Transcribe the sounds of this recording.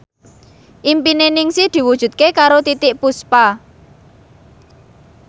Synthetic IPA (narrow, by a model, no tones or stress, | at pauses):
ʔimpinenɪŋsid̪̥i̤wud̥ʒ̥ṳt̪̚kekaɾot̪it̪ɪʔpuspa